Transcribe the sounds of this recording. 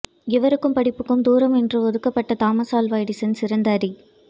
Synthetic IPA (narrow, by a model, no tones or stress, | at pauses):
ɪʋɐɾɯkːɯmpɐɽɪpːɯkːɯmd̪uːɾɐmɛndrɯɔðɯkːɐpːɐʈːɐt̪aːmɐsaːlʋaːjɽɪsɪnsɪɾɐnd̪aːɾi